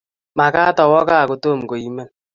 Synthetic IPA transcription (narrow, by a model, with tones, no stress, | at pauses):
ma˨ka˦tɔ˨wɔ˦ka˦˨ko˨to˦˨m̩˨ko˨i˦me˦n